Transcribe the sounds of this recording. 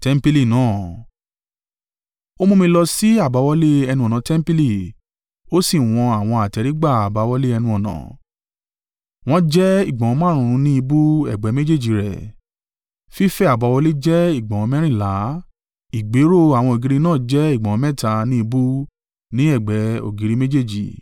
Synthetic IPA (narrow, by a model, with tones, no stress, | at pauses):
tɛ˦m̩˦pi˧li˦˨nãː˦˨ | o˦mõ˧mĩ˧lɔ˧si˦a˦˨ba˨˧˦wɔ˦le˦ɛ˧nũ˧ɔ˨nã˨˦tɛ˦m˦pi˦li˦˨ | o˦si˦˨w̃ɔ̃˧a˨w̃ɔ̃˧a˨tɛ˧ɾi˦ɡ͡ba˦˨a˨ba˨˧˦wɔ˦le˦ɛ˧nũ˧ɔ˨nã̰˨ | w̃ɔ̃˦d͡ʒɛ˦i˦˨ɡ͡bã˨w̃ɔ̃˨˧mãː˦ɾ̃ũ˨˧ɾ̃ũ˧˦nĩ˦i˧bu˦ɛ̰˦˨ɡ͡bɛ˨˧˦me˦d͡ʒe˦˨d͡ʒi˨ɾɛ̰˨ | fi˦fɛ˦a˦˨ba˨˦wɔ˧le˦d͡ʒɛ˦i˦˨ɡ͡bɔ̃˨wɔ̃˧mɛ̃˦ɾ̃ĩ˦˨la˨˦ | i˨ɡ͡be˨˦ɾo˦˨a˨w̃ɔ̃˧o˨ɡi˨˦ɾi˧nãː˦˨d͡ʒɛ˦i˦˨ɡ͡bɔ̃˨ɔ̃˦mɛ˦ta˧nĩ˦i˧bu˦ | nĩ˦ɛ˦˨ɡ͡bɛ˨˦o̰˨ɡi˨˧ɾi˦me˦d͡ʒe˦˨d͡ʒḭ˨